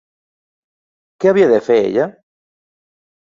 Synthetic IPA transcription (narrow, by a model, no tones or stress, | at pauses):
keaβ̞iaðefeḛʎa